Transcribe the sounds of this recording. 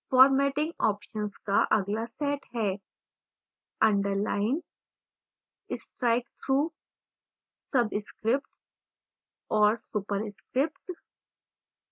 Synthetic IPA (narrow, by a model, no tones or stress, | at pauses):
fɔːɾmɛːʈɪ̃ŋɡɔːpʃə̃nskaʔɐɡlasɛːʈɦɛː | ɐ̃ɳɖəɾlaːɪn | ɪsʈɾaɪk̚t̪ʰɾuː | sɐbɪskɾɪpʈ | ɔːɾsuːpəɾɪskɾɪpʈ